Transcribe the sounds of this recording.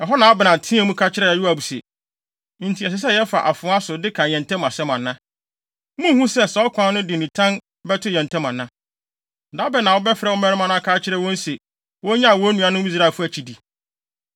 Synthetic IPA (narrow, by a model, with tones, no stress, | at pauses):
ɛ˨ɦɔ˦nã˨a˦bɪ˨nã˨tʰĩ˦ɛ̃˦mũ˦kʰa˦t͡ɕʰɪ˦ɾɛ˦˨ɛ˨ju˦a˨bu˨sḛ˨ | n̩˨tʰi˨ɛ˨s̬ɪ˨˦s̬ɛ˦˨jɛ˦fa̰˨ʔa̰˨fʊ̃˨˦a˦sʊ˨dɪ˦kʰã˨ɲɛ̃˨n˨tʰɛ̃˦ma˨sɛ˦mã˨nːã˦ | mũ˦hũ˦sɛ˦sɔ˨ɔ˦kʰʷã˦nʊ̃˦dɪ˨nĩ˨tʰã˦n | bɛ˦tʰʊ˦jɛ̃˨n˨tʰɛ̃˦mã˨nːã˦˨ | da˦bɛ˦˨nã˨wɔ˦bɛ˦fɪ˨ɾɛ˨wɔ˦mɛ̃˦ɾmã˦nʊ̃˦a˦˨kʰa˦t͡ɕʰɪ˦ɾɛ˦wɔ̃˦n̩˦se˨ | wɔ˦ɲã˦a˨wɔ˦nũ˨a˨nʊ̃˦i˦s̬ɾa˦e˨fʊ˦æ˨t͡ɕʰi˨di˨